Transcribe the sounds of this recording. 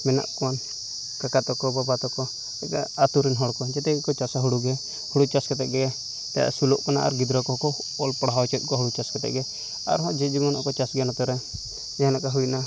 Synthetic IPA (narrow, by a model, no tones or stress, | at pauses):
mɛna̰ʔkɔan | kakat̪ɔkɔbabat̪ɔkɔ | ɛkaːt̪uɾinɦɔɽkɔd͡ʒɛt̪ɛkɔt͡ʃasaɦuɽuɡɛ | huɽut͡ʃaskɛt̪ɛʔɡɛ | t̪aja̰sulɔʔkɔnaʔa̰ɾɡid̪ɾɔkɔkɔ | ɔlpɔɽɦawt͡ʃɔt̪̚ˀkɔɦuɽut͡ʃaskɛt̪ɛ̰ʔɡɛ | a̰ɾɦɔ̃d͡ʒɛd͡ʒimɔnɔkɔt͡ʃasɡanɔt̪ɔɾɛ | ɛɦãlakaɦujna